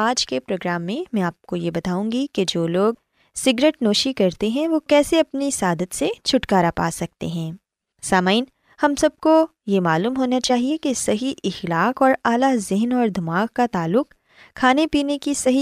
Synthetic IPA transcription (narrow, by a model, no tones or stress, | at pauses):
aːd͡ʒkepɾoːɡɾaːmːẽmɛ̃aːp̚kojebɐt̪aːũŋɡiked͡ʒoːloːɡ̚ | sɪɡɾeːʈnoːʃikɐɾt̪eɦɛ̃ʋokɛːseɐpnisaːd̪ət̪set͡ʃʰʊʈkaːɾapa̰ːsɐk̚t̪ḛɦɛ̃ː | saːmaːɪn | hɐmsɐb̚ko | jemaːluːmɦoːnat͡ʃaːɦiekesɐɦiʔɪxlaːkɔːɾaːlazɪɦnɔːɾd̪ʱɐmaːkkat̪aːlːʊq | kʰːaːnepiːnekisɐɦi